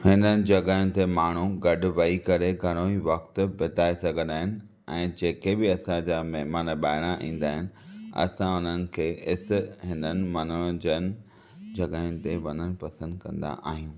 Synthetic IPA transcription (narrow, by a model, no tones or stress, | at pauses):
hɪnənɪ̆d͡ʑɐɡaːʊ̃nɪ̆t̪emaːɳ̤ũɡɐɗʊ̆ʋɐikɐɾeɡʱɐɽ̃oiʋɐxt̪bɪt̪aːesɐɡʱə̃nd̪aːɦɪnɪ̆ | ɛ̃ːd͡ʑeːkebɪɐsãd͡ʑaːmɛɦmaːnɓaːɪɽ̃aʔḭ̃ːn̆d̪aːɦɪnɪ̆ɐ̰sãʊnənɪ̆kʰeːɦɪsɦɪnənɪ̆mɐnʊɽəd͡ʑənɪ̆ | d͡ʑɐɠaːʊ̃nɪ̆t̪eʋɐnəñɪ̆pɐsə̃nd̪kɐ̰̃nd̪a̰ʔa̰ːɦijũː